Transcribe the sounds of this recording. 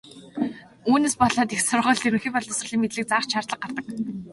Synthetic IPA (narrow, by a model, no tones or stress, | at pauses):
uːneːspɔɮɔːt̪ixsʊrʁʊːɮt̪iɾɘ̆ŋxiːpɔɮt̪ɔ̆sə̆ɮiːŋmet̪ɮɘ̆k̚t͡saːχt͡ɕʃʰart̪ɮə̆q̚ɢart̪ə̆k